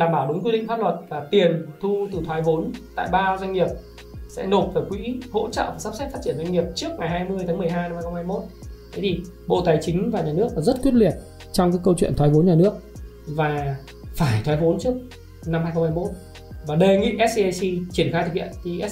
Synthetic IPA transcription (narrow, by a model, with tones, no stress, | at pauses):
laː˨˩mɓaː˧˩wɗʊ˨˦ŋ͡mki˧ɗḭ˧˨ŋfaː˦˥p̚lwə˨˩t̚vaː˨˩t̪i˨˩ənt̪ʰu˧t̪ɨ˨˩t̪ʰwaː˨˦jvo˨˦nt̪a̰ː˧˨jɓaː˧za˧jŋ̟ŋi˨˩əp̚ | sɛ̰˧˥no˨˩t̚fəː˧˩jkwḭ˧˥ho̰˧˥t͡ɕə̰ː˧˨vaː˨˩sa˦˥sɛ˦˥faː˦˥t̚t͡ɕi˧˩ənza˧jŋ̟ŋi˨˩əp̚t͡ɕɨ˦˥ək̚ŋa˨˩jɦaː˧jmɨ˧əjt̪ʰaː˨˦m˨˩ə˩jɦaː˧jna˧mhaː˧xŋ͡mhaː˧jmo˦˥t̚t̪ʰə˨˦jt̪ʰi˨˩ɓo̰˧˨t̪aː˨˩jt͡ɕï˨˦ŋ̟vaː˨˩ɲaː˨˩nɨ˦˥ək̚laː˨˩zə˦˥t̚kwi˦˥ət̚li˨˩ət̚ | t͡ɕɔ˧wŋ͡mkaː˨˦jkə˧wt͡ɕwḭ˧˨ənt̪ʰwːvo˨˦nɲaː˨˩nɨ˦˥ək̚ | vaː˨˩ | faː˧˩jt̪ʰwaː˨˦jvo˨˦nt͡ɕɨ˦˥ək̚ | na˧mhaː˧jxŋ͡mhaː˧jmo˦˥t̚ | vaː˨˩ɗə˧jŋḭ˧˨ʔɛ˦˥s̚si˧t͡ɕi˧˩ənxa˧t̪ʰk̚ʰhʰḭ˧˨ənt̪ʰi˨˩ʔɛ˦˥